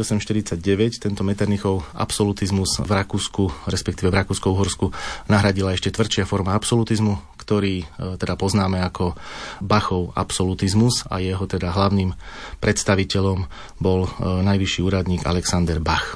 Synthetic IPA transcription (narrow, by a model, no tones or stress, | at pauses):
ɔsɛmʃt̪iɾit͡saɟɟɛʋɛct̪ɛnt̪ɔmɛt̪ɛɾnixɔʊʔa̰psɔlut̪izmuzvɾakuːskuɾɛspɛkt̪iːʋɛvɾakuːskɔuɦɔɾskunaɦɾaɟilaɛʃcɛt̪ʋr̩t͡ʃɪafɔɾmaapsɔlut̪izmukt̪ɔɾiːt̪ɛd̪apɔznaːmɛakʰɔbaxɔʊa̰psɔlut̪izmuza̰jɛɦɔt̪ɛd̪aɦlaʊniːmpɾʔɛt̪st̪aʋicɛʎɔm | bɔlnajʋiʃːiːuːɾad̪ɲiːɡa̰lɛksand̪ɛɾbax